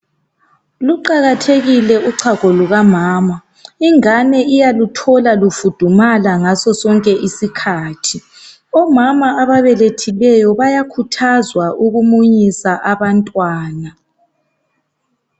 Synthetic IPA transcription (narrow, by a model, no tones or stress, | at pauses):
luǃaɣatʰeɣilɛuǀʰaɣʱɔluɣamaːma | iŋanɛʔijalutʰɔlalufud̥ʱumalaŋasɔsɔŋkʼɛʔisikʰaːtʰi | ɔmamaaβaβɛletʰilɛjɔβajakʰutʰazwaʔuɣumuɲisaʔaβantʼwaːna